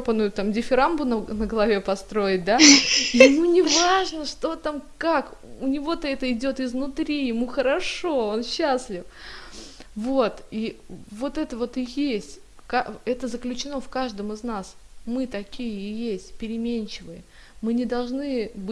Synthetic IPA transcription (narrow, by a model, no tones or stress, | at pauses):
pənʊjʊt̪amdʲɪfʲɪɾambʊnənəɡəlˠɐvʲe̞pɐst̪ɾo̞jɪt̚ʲd̪ajɪmunʲɪvaʐnəʂt̪o̞t̪amkak | ʊnʲɪvo̞t̪əɛt̪əɪdʲo̞t̪ɪznʊt̪ɾʲijɪmuxəɾɐʂo̞onɕːasʲlʲɪf | vo̞t̪ivo̞t̪ɛt̪əvo̞t̪ɨjesʲtʲ | kaɛt̪əzəklʲʉt͡ɕɪno̞fkaʐd̪əmɨznasmɨt̪ɐkʲijəɪjesʲtʲpʲɪɾʲɪmʲenʲt͡ɕɪvɨjə | mɨnʲɪd̪ɐlˠʐnɨbɨ